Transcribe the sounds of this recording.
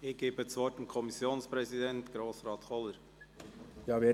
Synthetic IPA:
ɪɡ̥eːbətsvɔt̚emkʰɔmisjoːnspɾɛzidɛntɡ̥ɾoːsɾɑːtχɔləɾ | jɑːve

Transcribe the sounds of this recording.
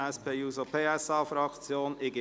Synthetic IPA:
ɛspʰeːuːzopʰeːɛsɑːfɾɑkt͡sjoːnɪɡə

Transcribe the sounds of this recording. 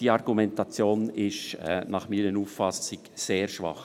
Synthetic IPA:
d̥iːɑɾɡumɛntɑt͡sjoːnɪʃɛ̰nɑχmiːɾənuffɑsɪkseːɾʃʋɑ̰χ

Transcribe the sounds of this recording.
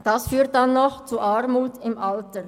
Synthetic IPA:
d̥ɑsfyːt̚dɑnːɔxt͡suʔaɾmuːtɪmʔaltə

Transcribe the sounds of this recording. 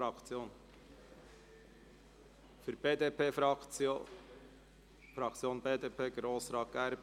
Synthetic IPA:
ɑkt͡sjoːn | fyɾbeːd̪epe | fɾɑkt͡sjoːnbeːd̪eːpʰeːɡɾoːsɾɑːt̪̚ɡ̥æɾb

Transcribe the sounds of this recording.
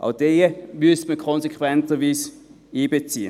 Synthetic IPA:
ʔa̰ʊd̥eəmystməkʰɔnsekχvwɛntəʋiːs | iːbet͡siːə

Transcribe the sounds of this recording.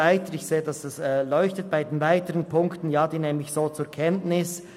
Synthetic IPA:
aɪtəɪçseːədɑsɛsɛːlɔʏçtət̚b̥aɪdenvaɪtəʁənpʰʊŋktən̩jaːd̥iːnɛːmɪçsoːt͡suːɐkʰɛntnɪs

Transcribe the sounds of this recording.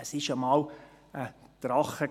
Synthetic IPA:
əsɪʃəmɑːl | ət̪ɾɑχə

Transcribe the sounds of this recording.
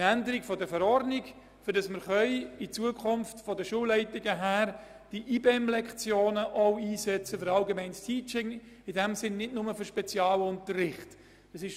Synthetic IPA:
ændəɾɪkfɔdəfɛɾɔrdnik | fʏɾdɑsməɾχœʏit͡suəkʰχʊmftfɔdəʃuəlɛɪtɪɡəɦæːɾ | d̥iʔiːbeɛmlɛkχt͡sjoːnəʔɔʊiːsɛt͡səfʏɾɑlɡemɛɪnstʰiːt͡ʃɪŋ | ɪdɛmsɪnːɪdnʊməfyɾʃpɛt͡sjɑːləʊntərɪχt | əsɪʃ

